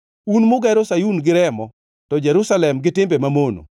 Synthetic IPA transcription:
unmʊɡɛɾosajunɡɪɾɛmɔ | tɔd͡ʒɛɾusalɛmɡɪtɪmbemamono̰

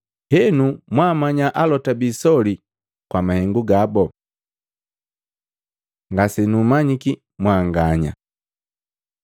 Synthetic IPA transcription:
hɛnumwamaɲaʔalɔtabisɔli | kwamahɛŋɡuɡabɔ | ŋɡasɛnumaɲiki | mwaːŋɡaɲa̰

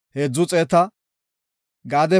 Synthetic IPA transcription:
heːd͡zːʊt͡sʼeːt̪ɐ | ɡaːd̪ɛ

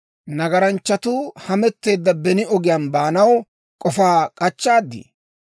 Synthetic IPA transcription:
nɐɡɐɾɐnt͡ʃːɐt̪uhɐmɛt̪ːe̞ːd̪ːɐbɛnɪɔɡɪjanbaːnɐw | kʼɔfaːkʼɐt͡ʃːaːd̪ːḭ

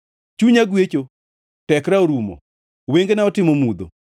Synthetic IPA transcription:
t͡ʃuɲaɡwet͡ʃo | tɛkɾaoɾumɔ̰ | weŋɡenaɔtɪmomud̪o̰

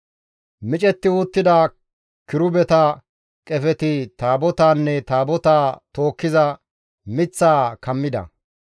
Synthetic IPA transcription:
mɪt͡ʃʼɛt̪ːɪuːt̪ːɪd̪ɐ | kɪɾʊbɛt̪ɐ | kʼɛfɛt̪ɪt̪aːbɔt̪aːnːɛt̪aːbɔt̪aːt̪o̞ːkːɪzɐ | mɪt͡sːaːkɐmːɪd̪ɐ̰

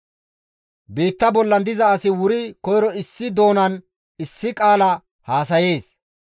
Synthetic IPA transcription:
biːt̪ːɐbɔlːɐnd̪ɪzɐːsɪwʊɾɪkɔjɾɔɪsːɪd̪o̞ːnɐn | ɪsːɪkʼaːlɐ | haːs̬ɐje̞ːs

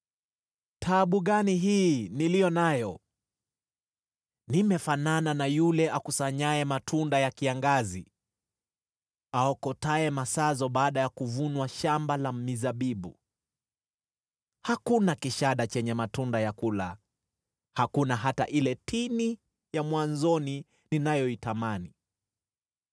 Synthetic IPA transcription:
tʰaɓuɠaniɦiːnilijɔnajɔ | nimɛfanananajulɛʔakusaɲaɛmatʰundajakiaŋɡazi | aɔkɔtaɛmasazɔɓaːɗajakuvunwaʃambalamizaɓiɓṵ | hakunakiʃaɗat͡ʃɛɲɛmatundajakula | hakunaɦata̰ʔilɛtini | jamwanzɔni | ninajɔitamani

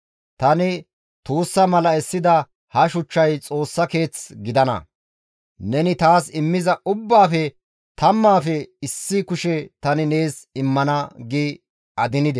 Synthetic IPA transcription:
t̪ɐnɪ | t̪uːsːɐmɐlɐɛsːɪd̪ɐ | hɐʃʊt͡ʃːɐjt͡sʼo̞ːsːɐke̞ːt͡sɡɪd̪ɐnɐ̰ | nɛnɪt̪aːsɪmːɪzɐʊbːaːfɛ | t̪ɐmːaːfɛɪsːɪkʊʃɛt̪ɐnɪne̞ːsɪmːɐnɐɡi | ɐd̪ɪnɪd̪ɛ

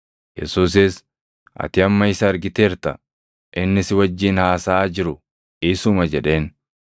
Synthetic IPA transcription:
jɛ̰suːs̬ɪs | ʔɐ̰t̪ɪɐmːɐɪsɐɐɾɡɪt̪eːɾt̪ɐ̰ | ʔɪnːɪsɪwɐd͡ʒːiːnhaːsaːd͡ʒɪɾʊ | ɪsʊmɐd͡ʒɛᶑe̞ːn

